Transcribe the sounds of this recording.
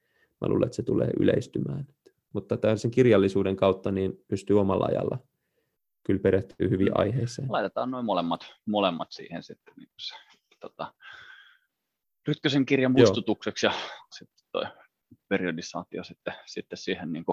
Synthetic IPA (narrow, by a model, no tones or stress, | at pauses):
mʔæ̰luːlɑ̰et̪set̪ulḛːʔy̰leist̪ymæːnt̪ | mut̪ːɑt̪ælseŋkirjɑlːisuːdeŋkɑut̪ːɑniːnpyst̪yːomɑlːɑɑ̰jɑ̰lːɑ̰ | kylpeɾeht̪y̰ːhyʋḭʔɑ̰iheisḛːlɑˑit̪et̪ɑːnnoimolemːɑt̪molemːɑt̪sḭːhensit̪ːenḭːŋkuse̥ | t̪ot̪ɑ | ryt̪køseŋkirjɑmpuoisːt̪ut̪ukseksjɑsit̪ːe̥t̪t̪o̰i | periodisɑ̰ːt̪iosit̪ːesit̪ːessiːhenniːŋku